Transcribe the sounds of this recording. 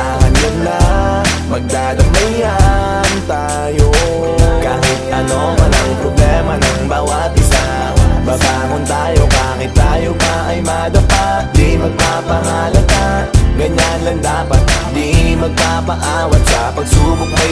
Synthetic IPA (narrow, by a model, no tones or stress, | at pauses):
ahɐnɡɐnla | mɐɡ̚d̪aːd̪ɐmɐja | nt̪aː | jo | kaːhɪt̪̚ʔɐno̞mɐnɐŋpɾoblɛmɐnɐŋbaːwɐt̪̚ʔɪsa | babaːŋʊnt̪aːjo̞baːkɪt̪ːaːjobaʔɐjmɐd̪ɐpat̪̚d̪imɐɡ̚papɐɦɐlɐɡaɡɐɲanlɐŋd̪aːpɐt̪̚d̪imɐɡ̚papɐʔaːwɐt̪sɐpɐɡsuːbʊk̚nɐ